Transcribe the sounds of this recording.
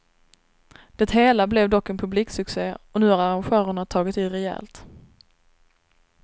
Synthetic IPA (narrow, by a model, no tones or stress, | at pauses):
d̪̥ɛt̪ɦeːlablɛvd̪ɔkːɛnpʰɵbliːksɵkseːɔnʉ̟ːhaɾaɾanɧœːɾəɳat̪ʰɑːɡɪt̪ɪːɾɛjɛ̰ːlt̪